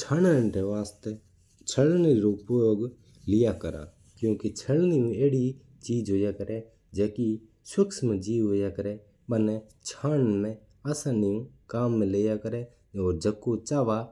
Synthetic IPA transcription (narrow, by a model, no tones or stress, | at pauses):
t͡ʃʰaːnə̃ɳʈeːʋaːst̪e | t͡ʃʰəɭneɾoʊpjoːɡ | lɪjaːkəɾa̰ː | kjũːket͡ʃʰəɭnɪːũːeːɽi | t͡ʃiːd͡ʒɦoːjaːkəɾeː | d͡ʒeːki | səksmɛ̃d͡ʒiːʋɦoːjaːkəɾeː | ɓənet͡ʃʰaːnmẽ | aːsãːnɪjũkaːmːẽleːjaːkəɾeː | oːɾd͡ʒəkːoːt͡ʃaːʋaː